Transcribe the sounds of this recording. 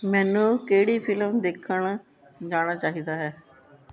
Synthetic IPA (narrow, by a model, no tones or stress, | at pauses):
mɛ̃ːnũːkeːɽiːpʰɪləmd̪eːkʰəɳ | d͡ʒaːɽ̃aːt͡ʃaːɦiːd̪aːɦɛː